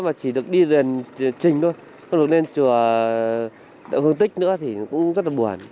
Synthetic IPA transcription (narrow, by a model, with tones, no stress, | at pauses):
maː˨˩t͡ɕi˧˩ɗɨ˨˩ək̚ɗi˧ze˨˩n˨t͡ɕï˨˩ŋ̟ɗo˧j | ŋ͡mɗɨ˨˩ək̚ne˧nt͡ɕu˧˩ə | ɗ̰whə˧ŋt̪ï˦˥k̟̚nɨ̰˧˥ət̪ʰi˨˩kʊ̰˧˥ŋ͡mŋ͡mzə˦˥t̚laː˨ɓu˨˩ən